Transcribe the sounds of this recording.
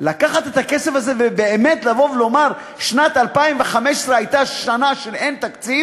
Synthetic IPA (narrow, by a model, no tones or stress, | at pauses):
lakaχat̪et̪akesefazevebeemet̪lavo̞vlo̞maʁ | ʃnat̪alpaimveχameʃe̥sʁeajt̪aʃanaʃele̞nt̪akt͡siv